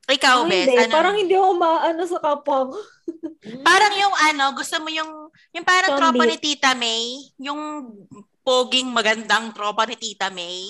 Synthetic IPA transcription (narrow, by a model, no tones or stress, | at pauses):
ʔɪkawɛɐnpaːɾɐŋhɪnd̪iɐkomaaʔɐnosɐkaːpɐŋ | paːɾɐŋjʊŋʔɐno̞ɡʊst̪omojʊŋ | jʊŋpaːɾɐŋɾoːpɐnɪt̪iːt̪ɐmɛjjʊŋ | poːɡɪŋmɐɡɐnd̪ɐŋt̪ɾoːpɐnɪt̪iːt̪ɐmɛj